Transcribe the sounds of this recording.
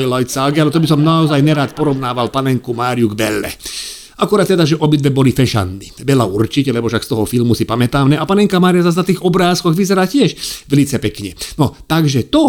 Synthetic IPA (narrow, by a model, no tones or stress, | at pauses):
jlajsaɡialɛt̪ɔbisɔmnaɔzajnɛɾaːt̪pɔɾɔʋnaːʋalpanɛŋkumaːɾijuɡbɛlːɛ̰ | ʔakuɾat̪ːɛd̪aʒɛʔɔbid̪ʋɛbɔlifɛʃa̰nːiːʋɛlaurt͡ʃicɛlɛbɔfʃakst̪ɔɦɔfilmusipamɛt̪aːnɛʔapanɛŋkamaːɾijazas̬nat̪iːɣɔbɾaːskɔɣʋizɛɾaːcɪɛʃʋɛlit͡sɛpɛkɲɛnɔt̪aɡʒɛt̪ɔ